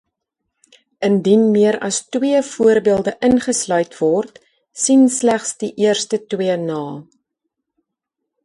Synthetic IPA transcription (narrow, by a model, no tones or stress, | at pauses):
ʔəndinmiəɾɐstwiəfuərbiəlˠdəʔənχəslœɥtvɔrt | sinslæχsdiʔiərstətwiənɑː